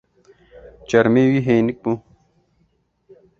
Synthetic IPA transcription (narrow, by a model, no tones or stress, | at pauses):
t͡ɕɐɾmewiɦeːnik̚bu